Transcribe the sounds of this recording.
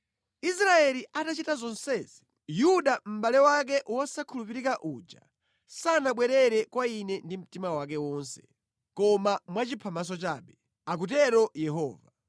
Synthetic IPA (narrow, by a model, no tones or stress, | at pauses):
is̬ɾaɛliʔatat͡ʃitazɔnsɛzi | juɗam̩ɓalɛwak̬ɛʔwɔsakʰulup̬iɾikaʔud͡ʒa̰ | sanaɓwɛɾɛɾɛkwainɛndim̩timawak̬ɛwɔːnsɛ̥ | kɔmamwat͡ʃipʰamas̬ɔt͡ʃaːɓɛ | ak̬utɛɾɔjɛɦɔːva